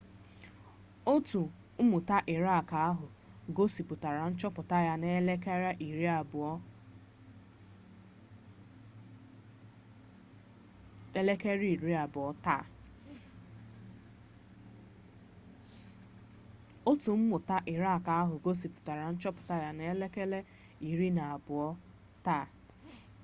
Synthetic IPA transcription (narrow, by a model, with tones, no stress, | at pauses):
o˦tu˨ | m̩˦mʊ˨ta˦ʔɪ˨ɾa˦˨ka˨a˦ɦʊ˨ | ɡo˦si˨pʊ˨ta˨ɾa˨n̩˦t͡ʃɔ˦pʊ˨ta˦ja˦ne˦le˦ke˦ɾa˦ʔi˨ɾi˦a˨bʊ˨ɔ˦ | e˦le˦ke˦ɾi˦i˨ɾi˦a˨bʊ˨ɔ˦ta˦˨ | o˦tu˨m̩˦mʊ˨ta˦ʔɪ˨ɾa˦a˨ka˨a˦ɦʊ˨ɡo˦si˨pʊ̥˨ta˨ɾa˨n̩˦t͡ʃɔ˦pʊ̥˨ta˦ja˦ne˦e˦le˦ke˦le˦ | i˨ɾi˦na˨a˨bʊ˨ɔ˦ | taː˦˨